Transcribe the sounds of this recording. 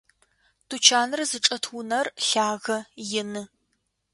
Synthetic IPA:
tʰut͡ʃʰaːnɨrzɨʈ͡ʂʼɐtʰʊnɐrɬaːɣɐjɪnɨ

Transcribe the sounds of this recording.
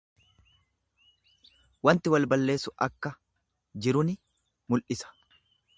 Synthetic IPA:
wɐnt̪ɪwɐlbɐlːe̞ːsʊʔɐkːɐ | d͡ʒɪɾʊnɪ | mʊlʔɪsɐ̥

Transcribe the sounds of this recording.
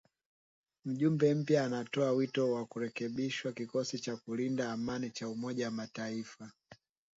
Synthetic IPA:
m̩ʄumbɛm̩pjaːnatɔawitɔwakuɾɛkɛɓiʃwakikɔsit͡ʃakulindaːmanit͡ʃaumɔʄawamataifa

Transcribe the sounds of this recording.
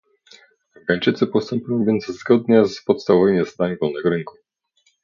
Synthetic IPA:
ɡaɲt͡ʂɘt̪sɘpɔst̪ɔmpʲujɔ̃w̃vʲjɛnt̪zzɡɔd̪ɲɛzpɔt̪st̪avvɛjɲɛst̪aɲɡɔlnɛɡɾɘŋku

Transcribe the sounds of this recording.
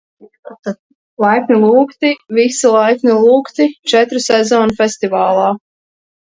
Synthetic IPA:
lˠajkʲnʲilˠuːkt̪ivisilˠajkʲnʲilˠuːkt̪it͡ʃɛt̪ɾusɛzɔːnufʲɛst̪ivaːlˠaː

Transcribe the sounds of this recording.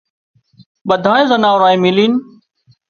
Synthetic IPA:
ɓəd̪ʱaːẽːzənaːʊɾaːĩːmiliːn

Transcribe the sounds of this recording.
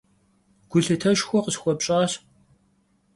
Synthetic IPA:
ɡ̥ʷʊɬɨtʰɐʃxʷɔqəsxʷɔpɕʼaːɕ

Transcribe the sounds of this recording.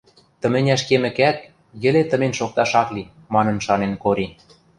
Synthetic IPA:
t̪ə̆mɘ̆nʲæʃkemɘ̆kæk̪̚ | jɘ̆let̪ə̆menʃok̚t̪ɑʃɑkli | mɑnɤ̆nʃɑnenkoɾi

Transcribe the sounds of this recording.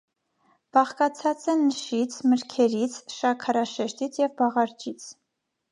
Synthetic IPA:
b̥ɑχkɑt͡sʰɑt͡sɛnːəʃit͡sʰməɾkʰɛɾit͡sʰʃɑkʰɑɾɑʃɛʃt̪it͡sʰjɛvbɑʁɑɾd͡ʒit͡sʰ

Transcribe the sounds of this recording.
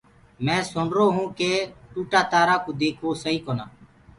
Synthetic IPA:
mɛ̃ːsʊɳɾoːɦũːkeːʈuːʈaːt̪aːɾaːkõːd̪eːkʰʋoːsəɦiːkoːnaː

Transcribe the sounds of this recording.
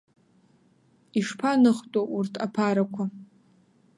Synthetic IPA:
iʂpʰanɨχtʼoʔurtʰapʰaɾakʷʰa

